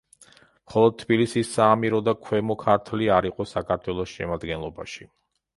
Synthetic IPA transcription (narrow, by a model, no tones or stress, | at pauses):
mχɔlˠɔd̪̚t̪ʰbilisisːaːmiɾɔd̪akʰwɛmɔkʰaɾt̪ʰliaɾiqʼɔsakʰaɾt̪ʰwɛlˠɔsʃɛ̰mad̪ɡɛnlˠɔba̰ʃi